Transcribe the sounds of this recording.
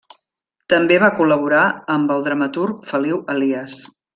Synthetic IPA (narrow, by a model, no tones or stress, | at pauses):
t̪əmbeβakuləβ̞uɾaəmbəlˠd̪ɾəmət̪urk̚fəliwəliəs